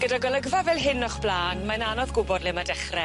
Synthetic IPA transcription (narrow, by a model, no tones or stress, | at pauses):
ɡ̥ədaɡəlˠəɡvavɛːlˠɦɪnːɔχb̥lˠaːnmananɔðɡʊbɔdlˠɪmadɛχrɛ